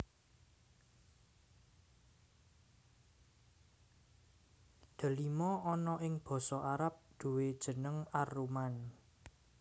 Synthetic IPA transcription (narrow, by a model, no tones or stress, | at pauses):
d̪̥a̤limɔɔnɔʔɪŋb̥ɔ̤sɔʔaɾap̚d̪̥ṳwed̥ʒ̥ə̤nəŋaruman